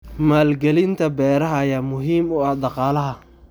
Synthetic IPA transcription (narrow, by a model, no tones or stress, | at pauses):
maːlɡɛlɪnt̪ʰɐbɛːɾɐɦɐɐjaːmʊɦiːmʊɑhd̪ɑqɑːlɐɦɐ